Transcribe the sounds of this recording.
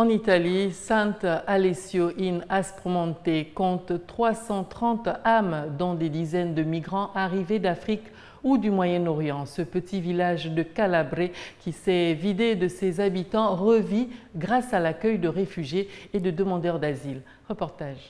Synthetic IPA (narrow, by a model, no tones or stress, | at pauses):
ɑ̃nit̪alisɛ̃t̪alesjoʔinaspχmɑ̃t̪ekɔ̃t̪t̪χwasɑ̃t̪χɑ̃t̪amd̪ɔ̃d̪ed̪izɛnd̪əmiɡʁɑ̃ʔaʁived̪afχik | ud̪ymwajɛnɔʁjɑ̃səpət̪ivilaʒd̪əkalabʁekʲisɛvid̪ed̪əsɛzabit̪ɑ̃ʁəviɡʁasalakœjd̪əʁefyʒjeːd̪əd̪əmɑ̃d̪œʁd̪azil | ʁəpɔʁt̪aʒ